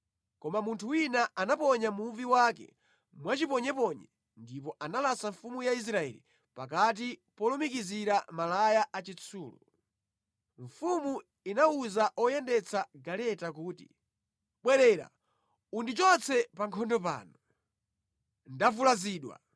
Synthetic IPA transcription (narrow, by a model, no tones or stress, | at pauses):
kɔmamuntʰuwinaʔanapɔɲamuviwakɛ̰ | mwat͡ʃipɔɲɛpɔɲɛ | ndipɔʔanalasaɱfumujais̬ɾaɛ̰lḭ | pak̬at̬ipɔlɔmikiziɾamalajaʔat͡ʃit͡sʰuːlṵ | ɱfumu | inauzaʔɔjɛndɛt͡sʰaɡalɛtakuːtḭ | ɓwɛɾɛɾa̰ | undit͡ʃɔt͡sɛpaŋkʰɔndɔpa̰ːnu | ndavulaziːɗwa̰